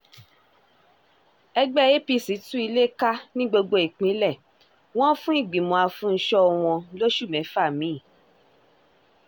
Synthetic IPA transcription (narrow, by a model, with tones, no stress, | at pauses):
ɛ˧ɡ͡bɛ˦je˦pi˧si˨˦tũ˦i˧le˦ka˦nĩ˦ɡ͡bo˧ɡ͡bo˧i˨k͡pĩ˨˦lɛ˦˨ | w̃ɔ̃˦fũ˦i˦˨ɡ͡bĩ˨mɔ̃˨a˧fũ˨˦˧ʃɔ˧˨w̃ɔ̃˧lo˦ʃu˦˨mɛ̃˨˦fa˦˨mĩ˨˦i˦˨